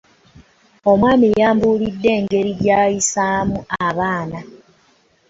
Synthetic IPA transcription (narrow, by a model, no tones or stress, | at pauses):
omwaːmijaːmbuːlidːe̞ːŋɡe̞ɾiɟaːjisamuaβaːna